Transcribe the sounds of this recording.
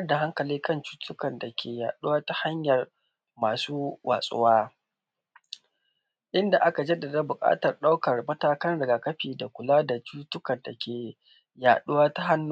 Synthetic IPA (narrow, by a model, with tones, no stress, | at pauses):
ɐ˦da˨ɦa˦ŋkɐ˨liː˦kɐ˦nt͡ʃu̥ː˦tʰʊ˦kɐ˨nda˨kʲʰeː˨jaː˨ɗʊ˦waː˦ta˦ha˦ɲjɐ˨r | maː˨suː˦wʔa̰ː˨sʼʊ̰˦waː˦ | ʔɪ˦nda˨ʔa˦ka˨d͡ʒɐ˦dɐ˨da˦bʊ˨kʼa̰ː˦tɐ˨rɗa˦wkɐ˨rmɐ˦taː˦kɐ˦nɽɐ˨ɡaː˨kɐ˦ɸiː˨da˨kʷʊ˨laː˦da˨t͡ʃuː˦tʊ˦kɐ˨rda˨kʲʰeː˨ | jaː˨ɗʊ˦waː˦ta˦ɦa˦nː˦